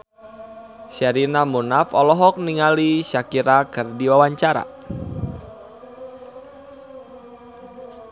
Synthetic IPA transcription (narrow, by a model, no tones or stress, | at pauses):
ʃɛɾinamunafɔlɔɦɔk̚niŋaliʃakiɾakərdiwawaɲt͡ʃaɾa̰